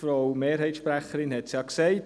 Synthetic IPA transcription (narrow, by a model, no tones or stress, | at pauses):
fɾɔʊmeːɾɦɛɪtʃpɾæχəɾɪnhɛtsjɑksɛɪt